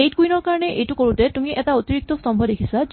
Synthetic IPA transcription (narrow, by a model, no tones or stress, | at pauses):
ejt̚kujnɔɹkaɹɔneʔejtukoɹutetumiʔɛtaot̪iɹik̚t̪ɔst̪ɔmbʱɔd̪ekʰisad͡ʒ